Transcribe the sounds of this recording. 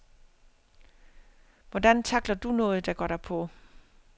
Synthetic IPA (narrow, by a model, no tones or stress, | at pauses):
ʋɒd̥ænt͡sʰɑ̈ɡ̥lɐd̥unɔ̽ːð̞̩ˠd̥ɑɡ̥ɒ̰ːɾ̥ɑpʰɔ̽